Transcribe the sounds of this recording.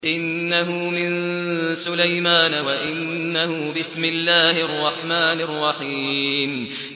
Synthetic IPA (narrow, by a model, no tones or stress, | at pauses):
ʔɪnːaɦʊmɪnsʊlajmaːnawaʔɪnːahʊbɪsmɪlːaːhɪʔɑrˤːɑħmaːnɑrˤːɑħiːm